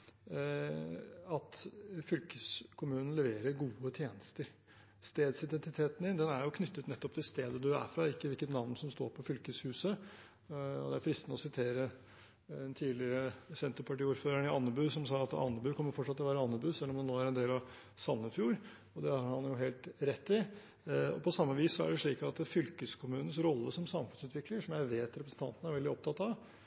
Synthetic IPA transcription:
ɑt̪fʏlkəskʰʊmʉːnən̩lɛʋeːɾəɾɡuːət̪ʰjeːnəst̪əɾ | st̪eːd̪sɪd̪ɛnt̪ɪt̪ʰeːt̪nd̪ɪnd̪ɛnæɾjʊkʰnʏt̪ːət̪nɛt̪ːɔp̚t̪ʰɪlst̪eːd̪əd̪ʉæ̰fɾɑɪkːəʋɪlkət̪nɑʋnsɔmst̪o̰ːɾpʰɔfʏlkəshʉːsə | ɔ̰d̪ɛæɾfɾɪst̪nɔsɪt̪ʰeːɾə | ɛnt̪ʰiːlɪɾəsɛnt̪əɾpɑʈiːuːɾføːɾəɳɪɑnːəbʉːsɔmsɑːɑt̪ɑ̰nːəbʉːkʰɔmːəɾfɔʈːʂɑt̪ʰːəlɔʋæːɾəɑnːəbʉːsɛlːɔmd̪ɛnoːæɾɛnd̪eːlɑʋ | sɑnːəfjuːɾ | ɔd̪ɛhɑɾhɑnjʊɦeːlt̪ɾɛt̪ːɪ | ɔ̰pʰɔsɑmːəʋiːssɔæ̰ɖɛʂɭiːkɑt̪fʏlkəskʰʊmʉːnən̩sɾɔlːəʂɔmsɑmfʉnsʉːt̪ʰʋɪkləʂɔmjæɪʋeːt̪ɾɛpɾəsn̩t̪ʰɑ̰nt̪ənəæɾʋɛld̪ɪɔp̚t̪ɑt̪ːɑʋ

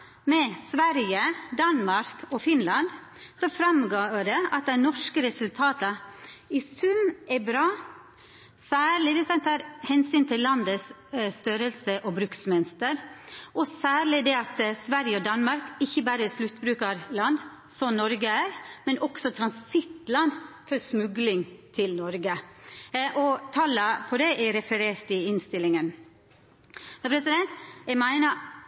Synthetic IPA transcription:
mɛsʋæɾjəd̪ɑnmɑɾkʰɔfɪnlɑnd̪ | sɔfɾɑmɡoːɖ̪ɛɑt̪̚d̪æɪnɔʂkəɾɛsʉlt̪ʰɑːt̪ɑɪsʉmːɛbɾɑː | sæːɭɪʋɪsɛnt̪ʰɑːɾhɛnsyːnt̪ʰɪlːɑnd̪əsst̪œɾəlsəʔɔbɾʉksmɛnst̪əɾʔɔsæːɭɪd̪ɛɑt̪sʋæɾjəɔd̪ɑnmɑɾkɪçːəbæːɾəɛslʉt̪ːbɾʉːkɑɾlɑnd̪ | sɔmnɔɾɡəæːɾmɛnʔɔksɔt̪ʰɾɑnsɪt̪lɑnd̪fɔɾsmʉɡlɪŋt̪ʰɪlnɔɾɡə | ʔɔt̪ʰɑːləpʰɔd̪ɛʔɛɾɛfəɾeːɾt̪ɪɪnst̪ɪlːɪŋən | sɛpʰɾɛsɪd̪ɛnt̪æɪmæɪnə

